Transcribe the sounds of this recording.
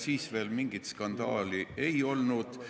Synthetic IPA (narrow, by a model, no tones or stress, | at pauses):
siːsve̞ːlmiŋɡ̥it̪skɑnd̪̥ɑːliʔejo̞lnud̪̥